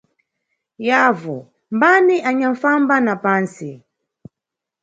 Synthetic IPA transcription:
javɔ | mbaniʔaɲaɱfambanapansi

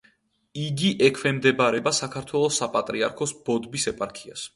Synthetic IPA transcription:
iɡiʔɛkʰwɛmd̪ɛbaɾɛbasakʰaɾt̪ʰwɛlˠɔsːapʼat̪ʼɾiaɾkʰɔsb̥ɔd̪bisɛpʼaɾkʰia̰s

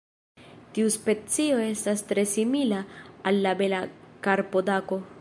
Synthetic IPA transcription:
tiuspe̞t͡sio̞e̞stast̪ɾe̞similaːlːabe̞lakaɾpo̞dako̞

